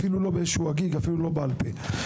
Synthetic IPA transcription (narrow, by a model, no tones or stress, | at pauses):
filulo̞beezʃuaɡiɡafilulo̞bealpe